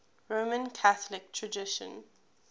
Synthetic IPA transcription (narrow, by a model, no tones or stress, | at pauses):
ɹomə̃nkʰaθəlɪk̚tʰɹədɪʃə̰̃n